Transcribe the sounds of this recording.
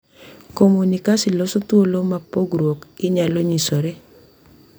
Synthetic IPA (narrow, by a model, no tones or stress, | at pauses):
komunikasɪlɔsot̪wolomapoɡɾwokɪɲaloɲisoɾe